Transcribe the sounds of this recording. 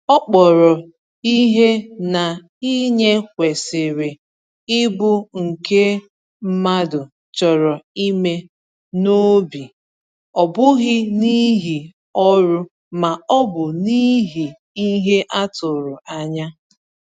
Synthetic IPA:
ɔ˦k͡pɔ˨ɾɔ˨ | i˦ɦe˦na˨ | i˦ɲe˦kʷe˨sɪ˨ɾɪ˨ | ɪ˦bʊ˦ŋ̩˨ke˦ | m̩˦ma˦dʊ˨ | t͡ʃɔ˨ɾɔ˨i˦me˦ | no˦bi˨ | ɔ˨bʊ˦ɣɪ˦ni˦ɦi˨ | ɔ˦ɾʊ˦ | ma˨ɔ˦bʊ˨ni˦ɦi˨ | i˦ɦe˦ʔa˦tʊ˨ɾʊ˨a˦ɲa˦

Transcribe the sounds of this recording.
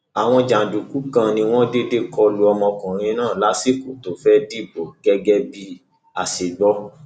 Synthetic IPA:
a˨w̃ɔ̃˧d͡ʒa˨du˨ku˨˦kã˧nĩ˧w̃ɔ̃˦de˦de˦kʰɔ˧lu˧˦ɔ˧mɔ̃˧kɔ̃˨ɾ̃ĩ˧nãː˦˨la˦si˦˨ko˨to˨fɛ˦di˦˨bɔ˨ɡ̥ɛ˧ɡɛ˧bi˧ | a˨se˨ɡ͡bɔ˦

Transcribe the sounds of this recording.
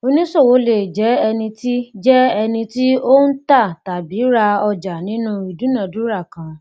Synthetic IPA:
o˧nĩ˦so˦˨wo˨˦le˨d͡ʒɛ˨˦ɛ˧nĩ˧ti˦d͡ʒɛ˦ɛ˧nĩ˧ti˦o˦n̩˦ta˦˨ta˨bi˨˦ɾa˧ɔ˧d͡ʒa˨nĩ˨˦nũ˦i˨dũ˨˦nã˦˨du˨˦ɾa˦˨kã˧

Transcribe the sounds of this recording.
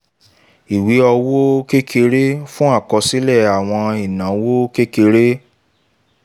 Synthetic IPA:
i˨wi˨˦ɔ˧wo˦ke˦kʰe˧ɾe˦fũ˦a˦˨kɔ˧si˦lɛ˦˨a˨w̃ɔ̃˧i˨nã˨˦wo˦ke˦ke˧ɾe˦

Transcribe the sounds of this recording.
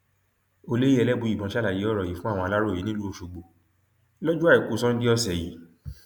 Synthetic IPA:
o˧le˦i˦ɛ˧lɛ˦bũ˨˧i˨bɔ̃˧˦ʃa˦la˨je˨˦ɔ˦˨ɾɔ˨ji˨fũ˦ã˦˨ɔ̃˧a˧la˦ɾo˦˨i˨˦nĩ˦lu˦o˧ʃu˧ɡ͡bo˨ | lɔ˦d͡ʒu˦a˦˨i˨ku˨˧˦sɔ̃˦n̩˦di˦ɔ˦sɛ˨ji˨˦

